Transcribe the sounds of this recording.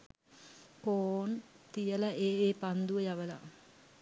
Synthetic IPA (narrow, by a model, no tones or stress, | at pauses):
poːnt̪ijəlaʔeːeːpand̪uʋəjaʋəla̰